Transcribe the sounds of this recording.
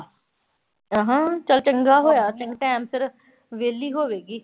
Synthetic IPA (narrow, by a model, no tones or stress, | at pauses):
əɦãːt͡ʃəlt͡ʃə̃ŋɡaːɦoːjaːt͡ʃɪ̃ŋɡʈɛ̃ːmsəɾ | ʋeːlːiːɦoːʋeːɡiː